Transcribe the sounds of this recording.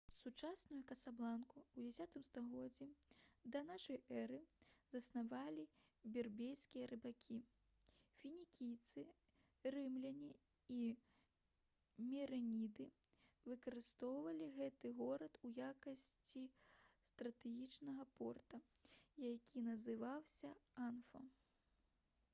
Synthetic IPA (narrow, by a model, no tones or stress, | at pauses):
sut͡ʂasnujukɐsablˠankuwd͡zʲɛsʲat̪ɨmst̪aɣɔd͡zʲːid̪ɐnaʂɐjɛɾɨzɐsnavalʲi | bʲɛrbʲejskʲijɐɾɨbakʲʰi | fʲinʲikʲijt̪sɨ | rɨmlʲɐnʲi | i | mʲɛɾɛnʲid̪ɨvɨkɐɾɨst̪ɔwvɐlʲiɣɛt̪ɨɣɔɾɐt̪ujakɐsʲt͡sʲist̪ɾɐt̪ɛɣʲit͡ʂnɐɣɐpɔrt̪ɐjakʲʰinɐzɨvawsʲɐanfɐ